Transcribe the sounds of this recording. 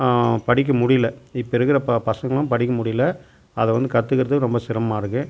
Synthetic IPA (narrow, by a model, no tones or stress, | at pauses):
pɐɽɪk̬ːɐmʊɽɪjlɐɪpːɐɪɾɯkːɪɾɐppɐsɐŋɡɐɭʊ̃mpɐɽɪkːɐmʊɽɪjlɐ | ɐðɛʋɐnd̪ɯkɐt̪ːɯkːɪɾɐðɯkːɯɾɔmbɐsɪɾɐmaːɾɯkːɯ